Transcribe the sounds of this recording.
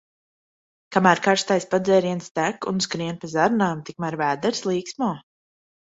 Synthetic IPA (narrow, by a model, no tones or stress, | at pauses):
kamæːɾkaɾʃt̪ajspad̪zɛːɾiɛnst̪ækṵnskɾiɛnpazaɾnaːmt̪ik̚mæɾvæːd̪ɛɾslˠiːksmɔː